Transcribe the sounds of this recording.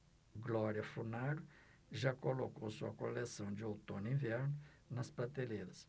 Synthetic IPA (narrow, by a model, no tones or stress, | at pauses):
ɡlɔɾiɐfunaɾʊ | ʒakoloko̰wsuɐkolesɐ̃w̃d͡ʒɪowt̪õnʊĩvɛɾnʊ | nɐspɾat̪eleɾɐs